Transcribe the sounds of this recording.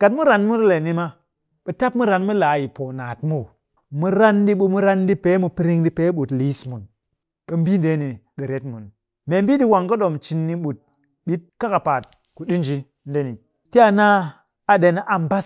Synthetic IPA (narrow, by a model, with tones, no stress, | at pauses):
ka˨tmu˦ɾa˨nmu˦ɾle˨ni˦ma˦ | ɓə˨ta˦p̚mu˦ɾa˨nmu˦la˨ji˨po˨naː˨tmu˦˨ | mu˦ɾa˦ndi˦ɓu˦mu˦ɾa˦ndi˦pe˦mu˨pi˦ɾi˦ŋdi˦pe˨˦ɓu˨tli˨˦smu˨n | ɓə˨m˦bi˦nde˨˦ni˨ɗə˨ɾe˨˦tmu˨n | me˨mbi˦di˦wa˨ŋkə˦ɗo˨mt͡ʃi˨nːi˦ɓu˨t̚ | ɓi˦t̚ka˦ka˨pa˨t̚ | ku˨ɗi˦nd͡ʒi˦n˦de˦ni˨ | ti˦a˦na˦ | a˨de˨n˦ʔa˨m˨ba˦s